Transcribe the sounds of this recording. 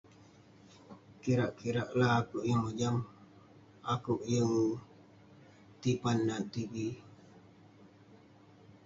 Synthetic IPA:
kiɾaʔkiɾaʔlaɦːkuʔjəŋməd͡ʒam | akuʔjəŋ | t̪ipanːat̪ibi

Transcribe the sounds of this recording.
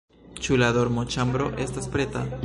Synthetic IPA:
t͡ʃulado̞ɾmot͡ʃambɾo̞ʔe̞staspɾe̞ta̰

